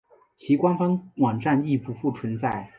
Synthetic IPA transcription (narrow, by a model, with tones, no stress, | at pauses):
t͡ɕʰi˧˥kwa˥nfə˥ŋwɑ˨˩ŋʈ͡ʂa˥˧ni˥˧pu˧˥˩fu˥˩t͡sʰwə˧˥nt͡sa˥˩ɪ